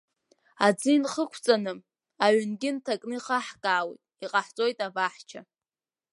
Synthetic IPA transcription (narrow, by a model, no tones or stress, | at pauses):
ad͡zɨinχəkʷʰt͡sʼanɨ | aʕʷʏnɡʲɪntʰakʼnɨiχaħɡʼaːwḭjtʼiqʼaħt͡sʼo̞jtʼavaħt͡ʃʰa